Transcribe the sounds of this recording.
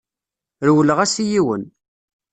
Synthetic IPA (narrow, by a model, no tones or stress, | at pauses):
ɾwələʁæsijiwə̰n